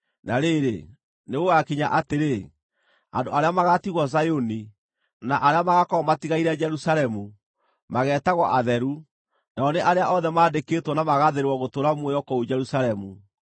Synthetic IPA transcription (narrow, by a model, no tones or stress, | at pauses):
naɾeɾḛ | neɣoakiɲaʔateɾe | a̰ndoaɾeamaɣatiɣwɔzajoni | naʔaɾeamaɣakɔmatiɣaiɾɛd͡ʒɛɾusaɾɛmu | maɣɛːtaɣwɔʔaðɛɾu | naɔneʔaɾeaʔɔðɛmaːdeketwɔnamaɣaðeɾewɔɣotoɾamwojɔkɔod͡ʒɛɾusaɾɛmu